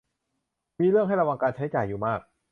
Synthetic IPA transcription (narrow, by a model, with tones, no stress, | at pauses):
miː˧ɾɯ˥˩əŋɦa˥˩jɾa˧wa˧ŋkaː˧nt͡ɕʰa˦˥jt͡ɕaː˨˩jːuː˨˩maː˥˩k̚